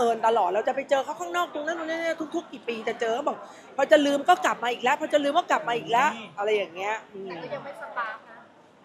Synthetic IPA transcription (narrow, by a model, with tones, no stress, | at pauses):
ʔɤː˨˧˩nt̪a˧lɔː˨˩t̪̚ɾa˧wt͡ɕa˨˩pa˧jt͡ɕɤː˧kʰa˥˩kʰaː˥˩ŋnɔː˥˩k̚t̪ʰo˧ŋnaː˦˥˨nː˧n˥˨ni˥˩t̪ʰu˦˥k̚t̪ʰu˦˥kːiː˨˩piː˧t̪ɛ˨˩t͡ɕɤː˧kʰa˥˩bɔː˨˩k̚ | pʰɔ˧t͡ɕa˨˩lɯː˧mkɔː˥˩kla˨˩p̚maː˧ʔiː˨˩k̚lɛ˦˥pʰɔː˧t͡ɕa˨˩lɯː˧mkɔː˥˩kla˨˩p̚maː˧ʔiː˨˩k̚lɛ˦˥ʔʔa˧ɾa˧jːaː˨˩ŋːi˦˥ɐʔɯː˧˩m˧˩ja˧ma˥˩jsa˧˩paː˧˩